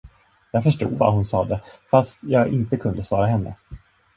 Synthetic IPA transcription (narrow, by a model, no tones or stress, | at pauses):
jɑːɡfœʂʈṵːd̪va̰hʊnsɑːd̪əfast̪jɑːɡɪnt̪əkʰɵnd̪əsvɑːɾaɦɛnːə̰